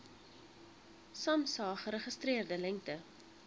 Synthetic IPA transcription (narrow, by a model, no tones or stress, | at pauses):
sɐmsɑːχəɾəχəstɾiərdəlɛŋk̚tə